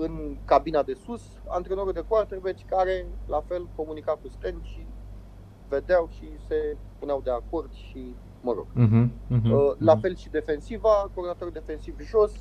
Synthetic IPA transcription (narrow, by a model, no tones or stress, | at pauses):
ɨnkabinad̪e̞sus | a̰nt̪ɾeno̞ɾud̪ekwart̪erbet͡ʃʲkaɾe̞lafe̞lko̞munikakust̪enʃi | ve̞d̪eawʃise̞puneawd̪e̞ako̞rd̪̥ʃi | məɾo̞̰ɡ̥̩ɦ | lafe̞lʃid̪e̞fe̞nsivakoronat̪oɾud̪e̞fe̞nsivʒo̞s